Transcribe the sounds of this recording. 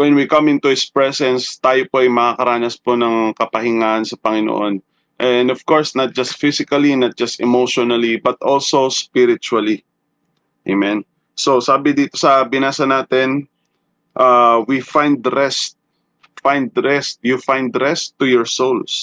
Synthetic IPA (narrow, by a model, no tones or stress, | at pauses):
wɛnwikɐmɪ̃nt̪ʊɪspɹɛsɛnst̪aːjopoɐjmɐakɐɾaːnɐspo̞nɐŋkɐpɐhɪŋaːʔɐnsɐpɐŋɪno̰ʔon | ʔɛnd̪ofkoɹsnɐt̪̚d͡ʒɐst̪̚fisɪkɐlinɐt̪̚d͡ʒɐst̪ɛmoʃonɐlibɐt̪ʔolso̞spɪɾɪt͡ʃuɐli | ʔemɛ̃n | sosaːbɪd̪iːt̪o̞sɐbɪnaːsɐnaːt̪ɛn | ʔawifãjnd̪ɾɛst̪̚ | fãjnd̪̚ɾɛst̪̚jufajnd̪ɾɛst̪ːʊjɔɹsowls